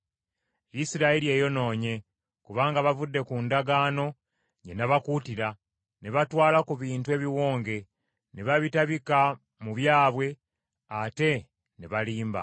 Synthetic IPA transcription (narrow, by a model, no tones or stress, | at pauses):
isiɾaiɾie̞ːjono̞ːɲe̞ | kuβaːŋɡaβavudːe̞kundaɡaːno̞ | ɲenaβakutiɾa | neβatwaːlakuβiːntue̞βiwo̞ːŋɡe̞ | neβaβitaβika | muβjaːβwe̞ | ate̞ | neβaliːmba̰